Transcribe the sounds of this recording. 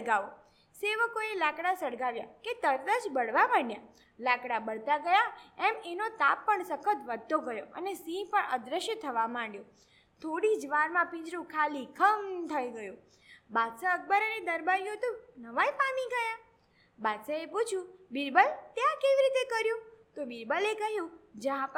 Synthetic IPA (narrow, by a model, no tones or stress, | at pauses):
əɡaʋo | seʋəkoelakɽasəɽɡaʋjaket̪əɾd̪əd͡ʒbəɽʋamə̃ɳja | lakɽabəɽt̪aɡəjaɛmenot̪apːəɳsəkʰət̪ʋəd̪ʱːoɡəjoə̰nesĩpəɳəd̪ɾəʃjət̪ʰəʋamãɳɖjo | t̪ʰoɽid͡ʒʋaɾmãpĩd͡ʒɾũkʰalikʰəmt̪ʰəiɡəjũ | bad̪səək̚bəɾəned̪əɾbaɾjũt̪ũnəʋajfamĩɡəja | bad̪səeput͡ʃʰjũbiɾbəlt̪jãkeʋiɾit̪ekəɾjũt̪obiɾbəlekəɦjũd͡ʒəã